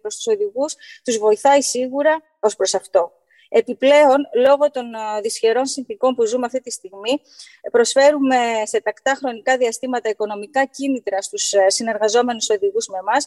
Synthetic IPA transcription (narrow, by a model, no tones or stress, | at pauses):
ɾost̪u̥so̞ðiɣust̪uzvo̞iθɐisiɣuɾɐ | o̞spɾo̞sɐft̪o̞ | e̞piple̞o̞nlo̞ɣo̞t̪o̞nðisçe̞ɾo̞nsinθiko̞mpuzumeɐft̪it̪ist̪iɣmi | pɾo̞sfe̞ɾume̞se̞t̪ɐkt̪ɐxɾo̞nikɐðiɐst̪imɐt̪ɐiko̞no̞mikɐcinit̪ɾɐst̪ussine̞ɾɣɐzo̞me̞nuso̞ðiɣuzme̞mɐs